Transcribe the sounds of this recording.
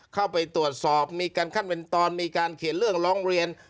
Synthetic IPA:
kʰa˥˩wpa˧jt̪ɾu˨˩ət̪̚sɔː˨˩p̚miː˧kaː˧nkʰa˥˩npe˧nt̪ɔː˧nmiː˧kaː˧nkʰe˨˩˦nɾɯ˥˩əŋɾɔː˦˥ŋɾi˧ən

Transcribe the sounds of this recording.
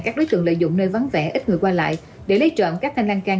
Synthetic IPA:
kaː˦˥k̚ɗo˨˦jt̪ɨ̰˧˨əŋlə̰ː˧˨zʊ̰˧˨ŋ͡mnəː˧jva˨˦nvɛ̰˧˩ʔi˦˥t̚ŋɨ˨˩əkwaː˧la̰ː˧˨jʔ | ɗe˧˩lə˨˦jt͡ɕɔ̰˧˨nkaː˦˥k̚t̪ʰa˧jŋlaː˧nkaː˧

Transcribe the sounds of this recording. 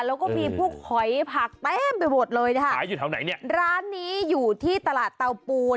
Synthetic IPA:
lɛː˦˥wkɔː˥˩miː˧pʰuː˥˩kʰɔ˨˩˦jpʰa˨˩k̚t̪ɛː˥˩mpa˧jmo˨˩t̪̚lɤː˧jna˦˥kʰa˥˩˦ju˨˩a˨˦na˨˩˦jni˥˩ɐɾaː˦˥nːiː˦˥juː˨˩t̪ʰiː˥˩t̪a˧laː˨˩t̪ːa˧wpuː˧

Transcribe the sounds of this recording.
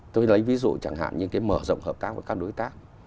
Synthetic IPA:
t̪o˧jlə˨˦jvi˨˦zṵ˧˨t͡ɕa˧˩ŋɦa̰ː˧˨nɲɨ˧kaː˨˦jməː˧˩zə̰˧˨wŋ͡mhəː˨˩p̚t̪aː˦˥k̚vəː˧˦jkaː˦˥k̚ɗo˨˦jt̪aː˦˥k̚

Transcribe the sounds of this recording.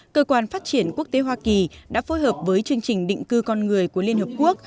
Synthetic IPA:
kəː˧kwaː˧nfaː˦˥t̚t͡ɕi˧˩ənku˦˥ək̚t̪e˨˦ɦwaː˧ki˨˩ɗa̰ː˧˥fo˨˦jɦəː˨˩p̚vəː˨˦jt͡ɕɨ˧əŋt͡ɕï˨˩ŋ̟ɗḭ˧˨ŋ̟kɨ˧kɔ˧nŋɨ˨˩əjku˧˩əli˧ənhəː˨˩p̚ku˦˥ək̚

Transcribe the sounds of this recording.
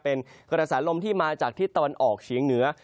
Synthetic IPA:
pe˧nkɾaː˧saː˩˦nlo˧mt̪ʰiː˥˩maː˧t͡ɕaː˨˩k̚t̪ʰiː˦˥˩t̪ːa˧wa˧nʔɔː˨˩k̚t͡ɕʰiː˩˦ŋnɯ˩˦ɐ

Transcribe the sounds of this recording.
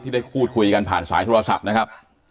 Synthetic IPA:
t̪iː˥˩da˥˩jpʰuː˥˩t̪̚kʰu˧jka˧npʰa̰ː˨˩nsa̰ː˩˦jt̪ʰo˧ɾa˧sa̰˨˩p̚na˦˥kʰa˦˥p̚

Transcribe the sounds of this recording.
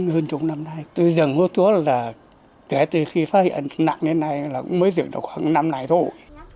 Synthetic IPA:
həː˧nt͡ɕʊ˨˦ŋ͡mna˧mna˧jt̪o˧jzɨ˨˩ŋːo˨˦˥t̚t͡ɕu˨˦əlaː˨˩ | kɛ˨˩˦t̪ɨ˨˩xi˧faː˦˥t̚hḭ˧˨ə˨nna̰˧˨ŋɲɨ˧t̪ʰna˧jlaː˨˩kʊ̰˧˥ŋ͡mməː˨˦jzɨ˨˩əŋɗə̰˨˩wxwa˨˧˩na˧mna˧˩jt̪ʰo˧j

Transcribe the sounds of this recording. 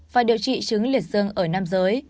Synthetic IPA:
vaː˨˩ɗi˨˩əwt͡ɕḭ˧˨t͡ɕɨ˨˦ŋli˨˩ət̚zɨ˧əŋʔəː˧˩naː˧mzəː˨˦j

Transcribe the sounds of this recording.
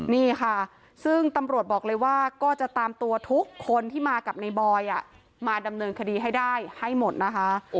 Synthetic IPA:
niː˥˩kʰa˥˩ | sɯ˥˩ŋt̪a˧mɾu˨˩ət̪̚bɔː˨˩k̚lɤː˧jwaː˥˩kɔː˥˩t͡ɕa˨˩ʔt̪aː˧mt̪u˧ɐt̪ʰu˦˥kʰːo˧nt̪ʰiː˥˩maː˧ka˨˩p̚na˧jbɔː˧jʔa˨˩ʔ | maː˧da˧mnɤː˧nkʰa˧diː˧ɦa˥˩jdaː˥˩jha˥˩jmo˨˩t̪̚na˦˥kʰa˦˥ʔ

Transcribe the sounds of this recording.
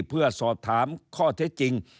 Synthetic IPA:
pʰɯ˥˩ɐsɔː˨˩p̚t̪ʰaː˩˦mkʰɔː˥˩t̪ʰe˦˥t̪̚t͡ɕi˧ŋ

